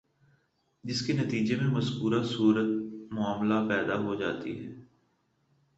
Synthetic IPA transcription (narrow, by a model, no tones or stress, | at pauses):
d͡ʒɪskenɐt̪iːd͡ʒemẽmɐzkuːɾasuːɾət̪mʊaːmlapɛːd̪aɦod͡ʒa̰ːt̪ḭɦɛː